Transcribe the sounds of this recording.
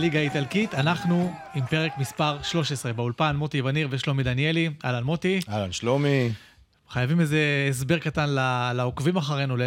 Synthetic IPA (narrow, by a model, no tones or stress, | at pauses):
liɡaitalkit̪anaχnu | impe̞ʁe̞kmispaʁʃlo̞ʃesʁe̞beulpanmo̞t̪ivaniʁveʃlo̞mid̪anie̞lialanmo̞t̪ialanʃlomi | χajavimezeːs̬beʁkatanlalaokvimaχaʁenule